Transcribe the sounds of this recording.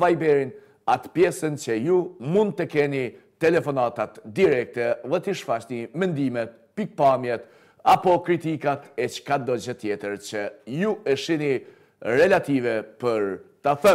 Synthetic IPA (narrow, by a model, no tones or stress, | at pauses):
vajbɛɾin | at̪pjɛsənt͡ɕəjumund̪̚t̪əkɛni | t̪ɛlɛfɔnat̪at̪d̪iɾɛk̚t̪ɛðɛt̪iʃfat͡ɕnimɛnd̪imɛt̪̚ | pik̚pamjɛt̪ | apɔkɾit̪ikat̪ɛt͡ʃkad̪ɔd͡ʑət̪jɛt̪əɾt͡ɕəjuəʃini | ɾɛlat̪ivɛpəɾt̪aθə